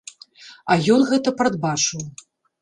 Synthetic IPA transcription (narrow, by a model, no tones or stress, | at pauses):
ɐjɔnɣɛt̪ɐpɾɐd̪bat͡ʂɨw